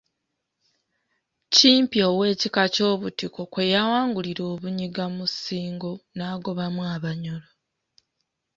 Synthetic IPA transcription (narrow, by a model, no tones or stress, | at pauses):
ciːmpio̞we̞ːcikaco̞ːβutiko̞kwe̞jawaːŋɡuliɾo̞ːβuɲiɡamusiːŋɡonaːɡo̞βamwaβaɲolo